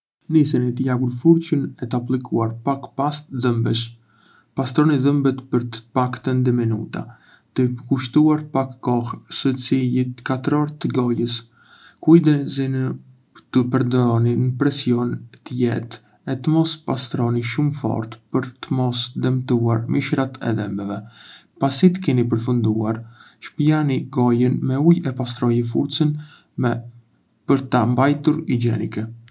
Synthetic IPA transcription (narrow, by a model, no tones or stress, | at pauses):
nisinit̪əjaɡuɾfuɾt͡ɕənɛt̪əaplikʰuaɾpakpast̪ðəmbɛʃ | past̪ɾɔniðəmbɛt̪pəɾt̪ə̥pakt̪ənd̪ɛmɛnṵt̪a̰ | t̪əkuʃt̪uaɾpakːɔhsət͡silit̪kat̪ɾɔɾt̪əɡɔjəs | kujd̪ɛzin | t̪əpəɾd̪ɔninəpɾɛsjɔnt̪əjɛ̰t̪ | ɛt̪əmɔspast̪ɾɔniʃumfɔ̰ɾt̪pəɾt̪əmɔsd̪ɛmt̪uaɾmiʃɾat̪ʰɛ̰ðɛmbɛvɛpasit̪ə̥kɛnip̬əɾfund̪uaɾ | ʃpianiɡɔjənmɛujɛpast̪ɾɔjəfṵɾt͡sən | pəɾt̪ambajt̪uɾid͡ʒɛnikɛ